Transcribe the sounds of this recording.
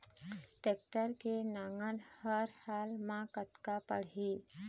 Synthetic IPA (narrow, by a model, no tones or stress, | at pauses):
ʈeːk̚ʈəɾkenaːŋɡənhəɾhaːlmãkət̪kapə̰ɽ̤iː